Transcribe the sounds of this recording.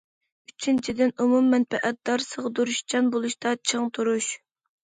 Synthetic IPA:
yt͡ʃʰint͡ʃʰid̪ɪnumumːɛnpʰɛʔɛt̪̚d̪̥ɑɾsəʁəd̪uɾuʃd͡ʒɑnbolˠuʃt̪ɑt͡ʃʰəŋt̪ʰuɾuʃ

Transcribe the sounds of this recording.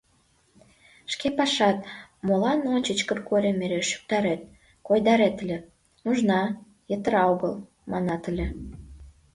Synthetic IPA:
ʃkepɑʃɑt̪̚molɑnonʲt͡ɕət͡ɕkə̆rkoɾʲemeɾeʃy̥k̚t̪ɑɾet̪̚ | kojd̪ɑɾet̪əlʲĕ | nuʒnɑ | jə̆t̪əɾɑoɣəl | mɑnɑt̪əlʲĕ

